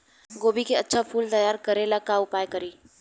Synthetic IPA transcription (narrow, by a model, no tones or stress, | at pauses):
ɡoːbikeɐtːʃʰapʰuːlt̪ɐjaːɾkɐɾelakaʊpaːjkɐɾiː